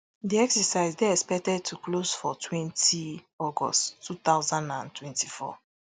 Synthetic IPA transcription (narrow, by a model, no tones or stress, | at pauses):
diɛksɛsaɪzdeɛspɛk̚tɛd̚tʰuklozfɔtʰwɛ̃ntʰi | ɔɡɔ̰stʰːut̪aʊzãndãntʰwɛ̃ntifɔ̰